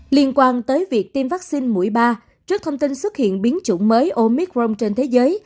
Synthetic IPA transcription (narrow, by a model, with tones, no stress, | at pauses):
li˧ənkwaː˧nt̪əː˨˦jvi˨˩ək̚t̪i˧mvaː˦˥k̚si˧nmṵ˧˩əjɓaː˧ | t͡ɕɨ˦˥k̚t̪ʰə˧wŋ͡mt̪i˧nswə˦˥t̚hḭ˧˨ənɓi˨˦ənt͡ɕṵ˧˩ŋ͡mməː˨˦jʔo˧mi˦˥k̚zo˧wŋ͡mt͡ɕe˧nt̪ʰe˨˦zəː˨˦j